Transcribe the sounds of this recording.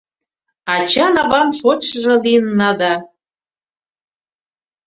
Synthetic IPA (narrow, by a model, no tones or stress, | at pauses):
ɑt͡ɕɑnɑβɑnʃot͡ɕʃəʒɤ̆linːɑd̪ɑ